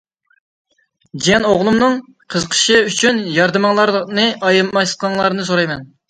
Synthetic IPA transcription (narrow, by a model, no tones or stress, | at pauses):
d͡ʒiɛnoʁlˠumnɨŋ | qʰəzqʰə̥ʃɨyt͡ʃʰynjɑɾd̪ɨmɑŋlˠɑɾnɨʔɑjɨmmɑʃqʰɑŋlˠɑɾnɨs̬oɾɑjmɛn